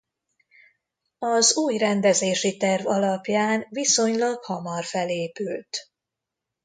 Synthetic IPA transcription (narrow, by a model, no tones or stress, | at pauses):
ɒzuːjrɛnd̪ɛzeːʃit̪ɛrvɒlɒpjaːnviso̞ɲlɒɡhɒmɒrfɛleːpylt̪